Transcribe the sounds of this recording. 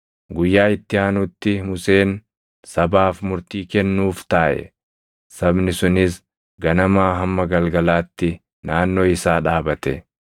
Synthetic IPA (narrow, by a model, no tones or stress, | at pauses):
ɡʊjːaːɪt̪ːɪaːnʊt̪ːɪmʊseːn | sɐbaːfmʊɾt̪iːkɛnːuːft̪aːʔɛ̰ | sɐbnɪsʊnɪs̬ | ɡɐnɐmaːɦɐmːɐɡɐlɡɐlaːt̪ːɪ | naːnːo̞ːɪsaːᶑaːbɐt̪ɛ